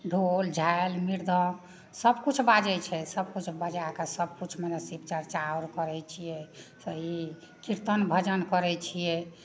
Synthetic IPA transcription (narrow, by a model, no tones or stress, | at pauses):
ɖʱold͡ʒʱaelmiɾd̪ʱə | səbkut͡ʃʰbad͡ʒɛt͡ʃʰɛsəbkut͡ʃʰbəd͡ʒakasəb̚kut͡ʃʰmənəsip̚t͡ʃəɾt͡ʃaoɾkəɾɛt͡ʃʰijɛsəɦi | kiɾt̪ənbʱəd͡ʒənkəɾɛt͡ʃʰijɛ